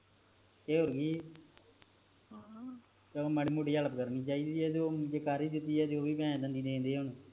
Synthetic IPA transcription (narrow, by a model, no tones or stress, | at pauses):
keːoɾɡiː | t̪ːmaːɽiːmoːʈiːələpkəɾniːt͡ʃaːiːd̪iːɛːd͡ʒ̪oːd͡ʒeːkaːɾiːd̪ɪt̪ːiːɛːd͡ʒ̪oːʋiːbɛ̃ːd̪ənd̪iːd̪ẽːnd̪eːɛːʊnː